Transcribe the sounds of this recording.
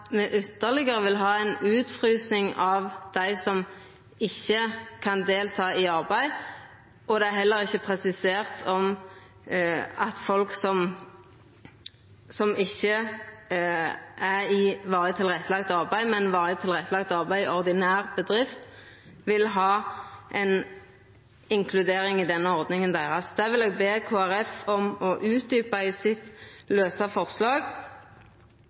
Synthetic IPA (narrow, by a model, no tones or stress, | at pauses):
mɛʔʏt̪ːəʁlɪɡəʁəʋɪlɦɑːæɪnʉːt̪fʁyːsnɪŋɑʋd̪̥æɪsɔm | ɪçːəkʰɑnd̪eːlt̪ʰɑːɪɑʁbæɪ | ɔd̪ɛæɦɛlːəʁɪçːəpʰʁɛsɪseːʁt̪ʰɔm | ɑt̪fɔlksɔm | sɔmɪçːə | ʔæʁɪʋɑːʁət̪ʰɪlʁɛt̪ːəlɑkt̪ɑʁbæɪmɛnʋɑːʁət̪ʰɪlʁɛt̪ːəlɑɡ̚t̪ɑʁbæɪɔʁd̪ɪnæːʁbəd̪ʁɪft̪ | ʋɪlɦɑːʔɛn | ɪŋkʰlʉd̪eːɾɪŋɪd̪ɛnːəɔʁd̪nɪŋənd̪æɪʁɑsd̪æːʁʋɪleːɡ̚beːkʰoːæɾɛfɔmɔʔʉːt̪̚d̪yːpɑɪsɪt̪løːsɑfɔʁslɑːɡ